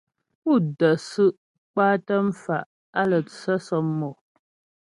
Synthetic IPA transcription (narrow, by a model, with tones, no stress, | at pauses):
u˦˨də˨sɨ˦ʔ | k͡paː˦tə˦m̩˦fa˨ʔ | a˦lə˨t͡sə˦sɔ˨˦mːɔ˨